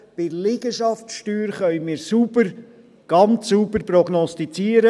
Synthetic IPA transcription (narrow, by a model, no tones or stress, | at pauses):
b̥ɪlɪɡ̥əʃɑftʃtyːɾχœʏmɪːɾsubəɾ | ɡ̥ɑnt͡sːubəɾpɾɔɡnɔstit͡siːəɾə